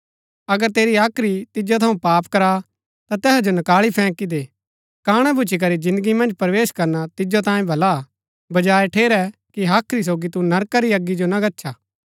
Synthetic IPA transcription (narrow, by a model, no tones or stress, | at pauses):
ɐɡəɾt̪eːɾiaːkʰɾit̪ɪd͡ʒot̪ʰɐũpaːpkɐɾa | t̪at̪ɛːsd͡ʒonɐkaːɭipʰɛ̃ːkid̪eː | kaːɽ̃ɛbʊt͡ʃʰik̬ɐɾid͡ʒɪ̃nd̪əɡimɐ̃nd͡ʒpɐɾʋeːʃkɐɾnat̪ɪd͡ʒot̪̬ãːjẽbʱɐla | bɐd͡ʒaːeʈʰeːɾɛkiɦaːkʰɾis̬oːɡit̪unɐɾkaɾiɐɡːid͡ʒonɐɡɐtːʃʰaː